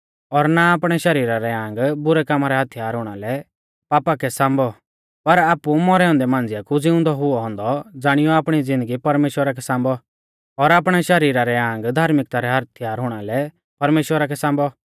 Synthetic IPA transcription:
ɔɾnaːpɽ̃ɛʃɐɾiːɾaɾɛãːŋɡbʊɾɛkamaɾɛɦɐt̪ʰɪjaːɾɦʊɽ̃alɛ | paːpakɛsãːmbɔ | pɐɾaːpumɔɾɛːɔ̃nd̪ɛmãːnd͡zɪjakud͡zɪ̃ʊ̃nd̪ɔɦʊɔɦɔ̃ːnd̪ɔd͡zaːɽ̃ɪjɔaːpɽ̃id͡zɪ̃nd̪əɡipɐɾmeːʃwəɾak̬ɛsãːmbɔ | ɔɾaːpɽ̃ɛʃɐɾiːɾaɾɛãːŋɡd̪ʱaːɾmɪk̚t̪aɾɛɦɐt̪ʰjaːɾɦʊɽ̃alɛ | pɐɾmeːʃwəɾak̬ɛsãːmbɔ

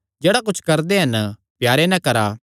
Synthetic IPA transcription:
d͡ʒeːɽakʊt͡ʃʰkɐɾd̪eɦɐn | pjaːɾenɛ̃kɐɾa

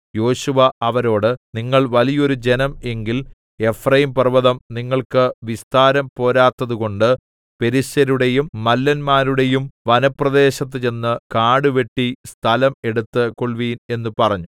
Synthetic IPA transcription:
jo̞ːɕuʋɐɐʋɐɾo̞ːɽɨniŋːɐɭʋɐlijo̞ɾud͡ʑe̞nɐme̞ŋɡil | e̞frɐjimpɐrʋɐðɐmniŋːɐɭkɨʋist̪aːɾɐmpo̞ːɾaːt̪ːɐðuko̞ɳɖɨ | pe̞ɾisɐɾuɽe̞jumːɐlːɐnmaːɾuɽe̞jumʋɐnɐprɐd̪e̞ːɕɐt̪ːɨt͡ɕe̞nːɨkaːɽɨʋe̞ʈːist̪ʰɐlɐme̞ɽut̪ːɨkoɭʋiːne̞nːupɐrɐɲːu

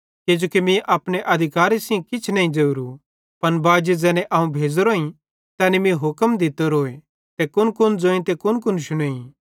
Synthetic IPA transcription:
ked͡ʒoːkimĩʔɐpneʔɐd̪ʱɪkaːɾisɪẽkɪt͡ʃʰnɐɦĩd͡ʒeuɾu | pɐnbaːd͡ʒed͡zɛːnɛ̃ʔɐɦũbʱeːd͡zɾoĩ | t̪ɛːnimĩɦʊkəmd̪ɪt̪əɾoːe | t̪ekʊnkʊnd͡zoːĩt̪ekʊnkʊnʃʊɽ̃eːĩ

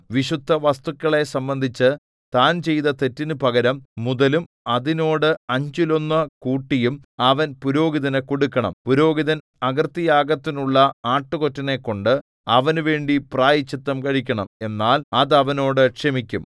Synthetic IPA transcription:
ʋiɕud̪ʱːɐʋɐst̪ukʲːɐɭe̞sɐmbɐnd̪ʱit͡ɕːɨ | t̪aːnt͡ɕe̞jt̪ɐt̪e̞tːinɨpɐɡɐɾɐmːuðɐlum | ɐðino̞ːɽɨɐɲd͡ʑilo̞nːɐkuːʈːijumɐʋɐnpuɾo̞ːɡiðɐnɨkoɽukːɐɳɐ̰mpuɾo̞ːɡiðɐn | ɐɡɐrt̪ːijaːɡɐt̪ːinuɭːɐaːʈːɨko̞tːɐne̞kːo̞ɳɖɨ | ɐʋɐnuʋe̞ːɳɖipraːjit͡ɕːit̪ːɐmkɐɻikʲːɐɳɐme̞nːaːlɐðɐʋɐno̞ːɽɨkʂemikʲːṵm

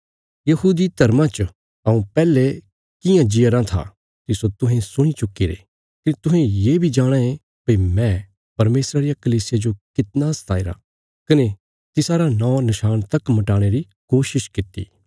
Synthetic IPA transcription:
jɐɦuːd̪it̪ɐɾmãt͡ʃ | ɐũpɛːle | kɪjãd͡ʒɪjəɾãt̪ʰa̰ | t̪ɪsot̪ʊɦẽsʊɽ̃it͡ʃʊkːiɾḛ | kit̪ʊɦẽjeːbʱid͡ʒaːɽ̃aẽ | peimɛ̃ | pɐɾmeːsɾaɾijakɐliːsɪjad͡ʒokɪt̪nast̪ʰaːiɾa̰ | kɐne | t̪ɪsaːɾanɔ̃ːnɪʃaːnt̪ɐkmɐʈaːɽ̃eɾi | koːʃɪʃkɪt̪ːḭː

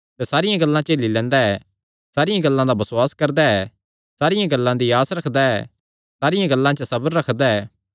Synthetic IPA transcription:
t̪ɛsaːɾɪjãɡɐlːãt͡ʃeːlilɛ̃ːnd̪aɛ | saːɾɪjãɡɐlːãd̪abɐsʊaːskɐɾd̪aɛ | saːɾɪjãɡɐlːãd̪iaːsɾɐkʰd̪aɛ | saːɾɪjãɡɐlːãt͡ʃəsɐbəɾːɐkʰd̪aɛː

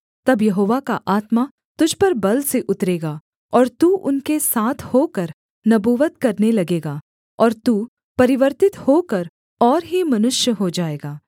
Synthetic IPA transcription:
t̪ɐbjɐɦoːʋakaʔaːt̪ma | t̪ʊd͡ʒʱpɐɾbɐlseʔʊt̪ɾeːɡaː | ɔːɾt̪uːʔʊnkesaːt̪ʰhoːkɐɾ | nɐbuːʋət̪kɐɾnelɐɡeːɡaː | ɔːɾt̪uː | pɐɾɪʋəɾt̪ɪt̪hokɐɾ | ɔːɾɦimɐnʊʃjəɦod͡ʒaːeːɡaː

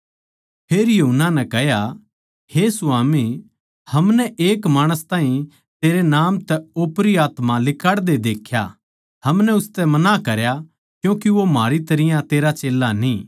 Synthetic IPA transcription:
pʰeːɾjɐɦunːanɛ̃kɛɦja | hesʊaːmi | hɐmnɛʔeːkmaːɽ̃əst̪aːĩ | t̪eːɾenaːmt̪ɛoːpɾiaːt̪mãlɪkaɽd̪ed̪eːkʰja̰ | hɐmnɛʊst̪ɛmɐnakɐɾja | kjũːkiʋomaːɾit̪ɐɾɪjãt̪eːɾat͡ʃeːlːaniː

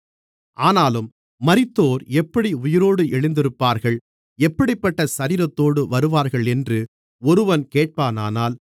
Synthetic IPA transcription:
ʔaːnaːlɯmː | ɐɾɪt̪ːoːɾɛpːɐɽiʊjɪɾoːɽɯʔɛɭɪnd̪ɪɾɯpːaːɾɣɐɭ | ɛpːɐɽɪpːɐʈːɐsɐɾiːɾɐt̪ːoːɽɯʋɐɾɯʋaːɾɣɐɭɛndrɯ | ɔɾɯʋɐnkeːʈ̚paːnaːnaːl

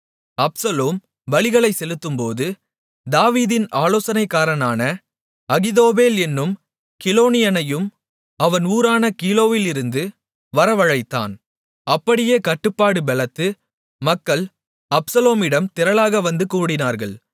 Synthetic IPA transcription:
ɐpsɐloːm | ʋɐɭɪɣɐɭɐɪsɛlɯt̪ːɯmpoːðɯ | d̪aːʋiːðɪnaːloːsɐnɐɪkːaːɾɐnaːnɐ | ɐɣɪðoːbeːlɛnːɯm | kɪloːnɪjɐnɐjɯm | ɐʋɐnuːɾaːnɐkiːloːʋɪlɪɾɯnd̪ɯ | ʋɐɾɐʋɐɻɐɪt̪ːa̰ːn | ɐpːɐɽɪjeːkɐʈːɯpːaːɽɯbɛlɐt̪ːɯ | mɐkːɐɭ | ɐpsɐloːmɪɽɐmt̪ɪɾɐlaːɣɐʋɐnd̪ɯkuːɽɪnaːɾɣɐɭ

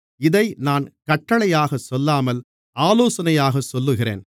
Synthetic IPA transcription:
ɪðɐɪnaːnkɐʈːɐɭɐjaːɣɐsɔlːaːmɐl | aːloːsɐnɐjaːɣɐsɔlːɯɣɪrḛːn

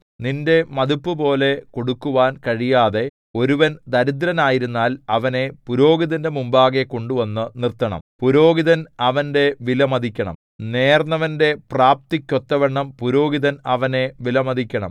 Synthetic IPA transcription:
ninde̞mɐd̪upːɨpo̞ːle̞ko̞ɽukːuʋaːnkɐɻijaːðe̞ | o̞ɾuʋɐnd̪ɐɾid̪ɾɐnaːjiɾunːaːlɐʋɐne̞puɾo̞ːɡiðɐndemumbaːɣe̞koɳɖuʋɐnːɨnirt̪ːɐɳɐ̰mpuɾo̞ːɡiðɐnɐʋɐnde̞ʋilɐmɐd̪ʱikʲːɐɳɐ̰m | ne̞ːrnɐʋɐnde̞praːp̚t̪ikʲːo̞t̪ːɐʋɐɳːɐmpuɾo̞ːɡiðɐnɐʋɐne̞ʋilɐmɐd̪ʱikʲːɐɳɐ̰m

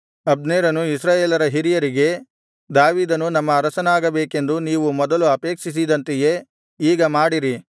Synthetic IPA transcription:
ɐb̚d̪neːɾɐnuisɾaːjeːlɐɾɐɦiɾijɐɾiɡe̞ | d̪aːʋiːd̪ɐnunɐmːɐːɾɐsɐnaːɡɐbeːke̞nd̪uniːʋumɔd̪ɐluɐpeːkʂis̬id̪ɐnt̪ɛje̞ | iːɡɐmaːɽiɾi

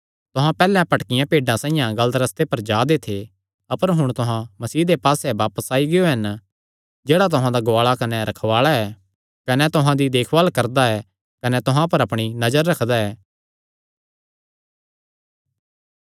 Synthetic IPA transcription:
t̪ʊɦãpɛːlɛ̃pɐʈkɪjãpeːɖãsãːɪ̃jãɡɐlət̪ɾɐst̪epɐɾd͡ʒaːd̪et̪ʰe | ɐpəɾɦʊɽ̃t̪ʊɦãmɐsiːd̪epaːsɛʋaːpəsaːiɡɪjoɦɐn | d͡ʒeːɽat̪̬ʊɦãd̪aɡoaːɭakɐnɛɾɐkʰʋaːɭaɛː | kɐnɛt̪ʊɦãd̪id̪eːkʰʋaːlkɐɾd̪aɛ | kɐnɛt̪ʊɦãpɐɾɐpɽ̃inɐd͡ʒəɾːɐkʰd̪aɛː

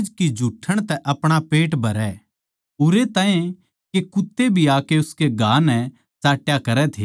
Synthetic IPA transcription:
d͡ʒkid͡ʒʱuʈʰəɽ̃t̪ɛʔɐpɽ̃apeːʈbʱɐɾɛ | ʊɾet̪aːẽ | kekʊt̪ːebʱiaːkeʊskeɡʱaːnɛ | t͡ʃaːʈjakɐɾɛt̪ʰeː

